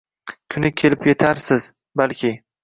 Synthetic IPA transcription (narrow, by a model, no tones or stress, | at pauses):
kʲʰʊnɪkʲʰe̞lɪpjet̪ʰaɾsɪz | balkʲʰɪ